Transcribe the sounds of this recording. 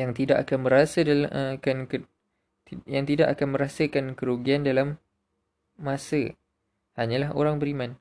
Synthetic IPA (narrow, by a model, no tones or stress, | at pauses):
jaŋt̪idaʔakanmə̃ɾasədalʔkank | jaŋt̪idaʔakanmə̃ɾasəkankəɾuɡiandalamː | ãsə | haɲãlaɦo̰ɾaŋbəɾimãn